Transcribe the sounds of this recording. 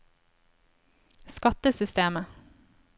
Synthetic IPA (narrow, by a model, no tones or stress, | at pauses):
skɑt̪əsʏst̪eːmə